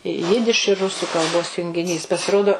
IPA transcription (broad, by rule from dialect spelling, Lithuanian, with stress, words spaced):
ˈjɪdʲɪʃ ɪr ˈrʊsʊ kɐlˠˈboːs jʊŋʲɡʲɪˈnʲiːs pɐsʲɪˈroːdoː